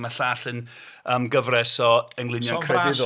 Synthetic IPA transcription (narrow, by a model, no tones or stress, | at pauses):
maɬaːɬən | əːmɡəvrɛsɔəŋlˠɪnjɔkʰrɛbɪð